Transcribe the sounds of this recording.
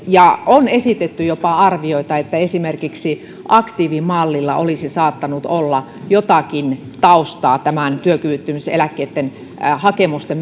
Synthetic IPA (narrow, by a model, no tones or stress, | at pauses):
jɑonesit̪et̪ːyjopɑɑrʋioit̪ɑet̪ːæesimerkiksi | ʔɑkt̪iːʋimɑlːilːɑʔolisisɑːt̪ːɑnut̪olːɑ | jot̪ɑkin | t̪ɑust̪ɑːt̪æmænt̪yøkyʋyt̪ːymysḛlækːeːt̪ːen | hɑkemust̪em